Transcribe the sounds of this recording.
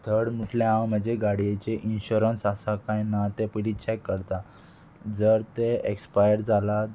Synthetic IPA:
t̪ʰəɽmuʈljaãwm̤əd͡ʑeɡaɽijet͡ɕeʔinɕuɾənsasakajnat̪epilit͡ɕɛkːəɾt̪a | d͡zəɾt̪eekspajəɾd͡zala

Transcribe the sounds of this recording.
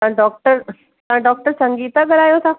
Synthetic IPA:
ãɖɔːk̚ʈəɾ | t̪ãɖɔːk̚ʈəɾsə̃ŋɡiːt̪aɡəɾaːjot̪ʰaː

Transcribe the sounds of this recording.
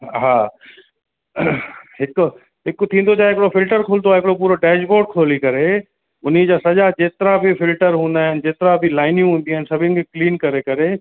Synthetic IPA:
ɦaː | ɦɪk | ɦɪkt̪ʰĩːnd̪od͡ʑaːeɦɪkɽofɪlʈəɾkʰoːld̪oaːɦɪkɽopuːɾoɖɛːʃboːɖ̚kʰoːlikɐɾe | ʊnid͡ʑaːsɐd͡ʑad͡ʑeːt̪ɪɾabʱifɪlʈəɾɦũːn̆d̪aːɦɪnd͡ʑeːt̪ɾabʱɪlaːɪnjũɦũːn̆d̪iaːnsɐbʱɪ̃nkʰikliːnkɐɾekɐɾe

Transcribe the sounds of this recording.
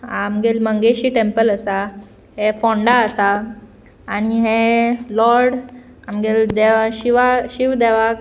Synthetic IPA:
amɡelməŋɡeɕiːʈempələsa | ɦefɔ̃ɳɖaəsaː | ñiɦelɔɾɽ | amɡeld̪eɕiʋaɕiʋd̪ɛʋak

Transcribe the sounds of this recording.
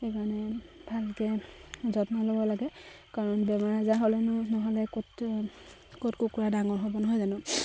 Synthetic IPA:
xekaɹɔnɛbʱalkɛzɔtnalobɔlaɡɛ | kaɹɔnbɛmaɹazaɦolɛnʊnɔɦɔlɛkot | kotkukuɹadaŋɔɹɦobɔnɔɦɔjzanʊ

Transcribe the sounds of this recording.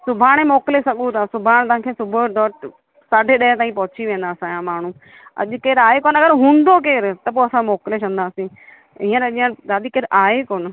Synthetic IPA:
sʊbʱaːɽ̃emoːklesɐɠũt̪ʰasʊbʱaːɽ̃t̪ɐ̃ãkʰeːsʊbʱʊɖɔːʈ | saːɖʱeɗɐɦɪt̪aːĩpɐɦʊt͡ɕiʋẽːnd̪aːsãjãmaːɳ̤ũ | ɐ̰ʄkeːɾaːekoːnɐɡəɾɦũːn̆d̪ok̬eːɾt̪ɐpoːɐsãmoːklet͡ʃɐ̃nd̪aːsĩː | ĩːãɾɐʄiãd̪aːd̪ikeːɾʔaːekoːnɪ̆

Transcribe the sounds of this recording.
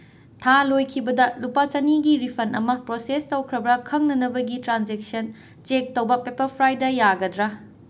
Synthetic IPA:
tʰalojkʰibɐdɐlupat͡ʃɐniɡiɾipʰɐnʔɐmɐpɾosestɐwkʰɾɐbɾɐkʰɐŋnɐnɐbɐɡitɾand͡ʒek̚sɐn | t͡ʃek̚tɐwbɐpepɐɾpʰɾajdɐjaɡɐdɾɐ

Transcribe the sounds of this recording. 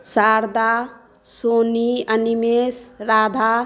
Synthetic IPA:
saɾd̪a | soːniənimesɾad̪ʱa

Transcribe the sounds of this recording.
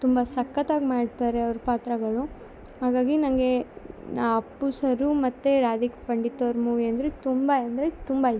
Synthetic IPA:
t̪umbɐsɐkːɐt̪aːɡmaːɖt̪aːɾeɐʋɐɾupaːt̪ɾɐɡɐɭu | ɦaːɡaːɡinɐŋɡe̞nːɐpːusɐɾumɐt̪ːeɾaːd̪ikpɐɳɖit̪ːɐʋɐɾmuːʋiɐnd̪ɐɾet̪umbɐɐnd̪ɐɾet̪umbɐ

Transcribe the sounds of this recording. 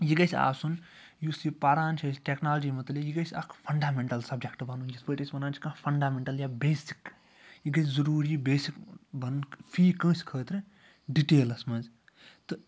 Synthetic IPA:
jiɡɐsʲa̰ːsun | jusipɐɾaːnt͡ʃʰɐsʈeknaːlɐd͡ʒiːmɐt̪lijiɡɐsʲɐkʰpʰɐɳɖaːmeɳʈɐlsɐb̚d͡ʒek̚ʈbʱɐnund͡ʒɐsbəːʈʲɐsʲbɐnaːnt͡ʃʰi̥kãːpʰɐɳɖaːmeɳʈɐljaːbeːsi̥k | jiɡɐsʰʲzɐɾuːɾibeːsikbɐnnpʰiːkə̃ːskʰəːt̪ɾɨ | ɖiʈeːlɐsmɐz | t̪ɨ

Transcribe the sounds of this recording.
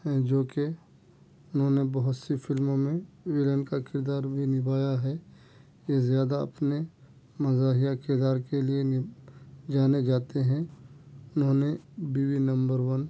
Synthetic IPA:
ɦɛ̃d͡ʒoːke | ʊnɦõnebɐɦʊt̪sifʰɪlmomẽwɪlənkakɪɾd̪aːɾbʱinɪbaːjaɦɛ | jezjaːd̪aɐ̰pne | mɐzaːɦɪjakɪɾd̪aːɾkelie | d͡ʒaːned͡ʒaːt̪eɦɛ̃ | ʊnɦõːnebiːwinɐ̃mbəɾwən

